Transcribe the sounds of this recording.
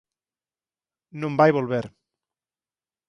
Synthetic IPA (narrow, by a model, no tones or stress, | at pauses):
nõmbajβolβeɾ